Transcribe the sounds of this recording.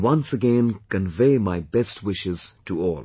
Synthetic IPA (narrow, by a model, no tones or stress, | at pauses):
wʌ̃nsɨɡɛ̃nkɨ̃nveɪmaɪbɛst̚ʰwɪʃɪz̥tʰəɔːlˠ